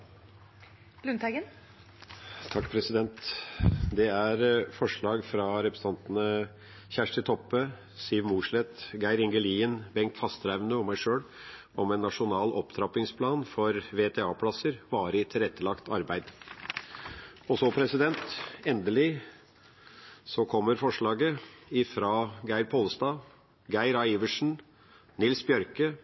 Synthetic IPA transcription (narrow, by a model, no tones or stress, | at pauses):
lʉnt̪æɡən | t̪ʰɑkːpʰɾɛsɪd̪ɛnt̪ | d̪ɛæɾfɔʂɭɑːɡfɾɑɾɛpɾəs̩t̪ɑnt̪nə | çæʂʈɪt̪ʰɔpːə | siːʋmuːʂlɛt̪ɡæɪɾɪŋɡəliːənbɛŋt̪fɑst̪ɾæʋnəɔmæɪʂøːɽ | ɔmɛnːɑʂʊnɑːlʔɔpt̪ʰɾɑpɪŋspʰlɑːnfɔɾʋeːt̪ʰɛːɑːpʰlɑsəɾbɑːɾəɪt̪ʰɪlɾɛt̪ːəlɑkt̪ʰɑɾbæɪd̪ | ɔsɔpʰɾɛsɪd̪ɛnt̪ɛnd̪əlɪ | sɔkʰɔmːəɾfɔʂɭɑːɡəɪfɾɑːɡæɪɾpʰoːlst̪ɑː | ɡæɪɾɑiːʋəʂɳ̩ | nɪlsbjœɾkə